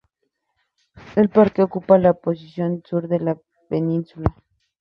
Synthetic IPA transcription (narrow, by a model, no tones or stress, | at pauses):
elpaɾkeokupalapos̬isjonsuɾðela | peninsula